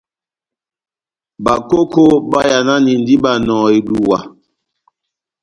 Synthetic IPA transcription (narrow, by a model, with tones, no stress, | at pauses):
ba˨ko˦ko˦ba˦ja˨na˦ni˨n˦di˦ba˨nɔ̃ː˨i˨du˨wa˨